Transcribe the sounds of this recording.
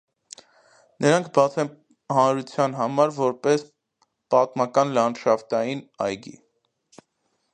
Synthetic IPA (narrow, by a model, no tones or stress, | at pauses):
nʔəɾɑŋkʰbɑt͡sʰɛn | hɑnɾut͡sʰjɑnɦɑmɑɾvɔɾpɛs | pɑt̪mɑkɑnlɑnʃɑft̪ɑjinɑjɡḭ